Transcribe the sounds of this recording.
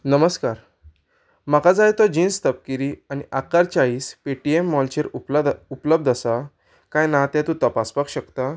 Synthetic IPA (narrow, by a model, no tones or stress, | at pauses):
nəməskaɾ | makad͡zajt̪ɔd͡ʑĩnst̪əp̚kiɾianiʔakaɾt͡ɕaiːspeʈiemːɔlt͡ɕeɾuupləb̚d̪ʱasa | kãjnaɦt̪ɛ̃t̪ũt̪əpaspakɕəkt̪a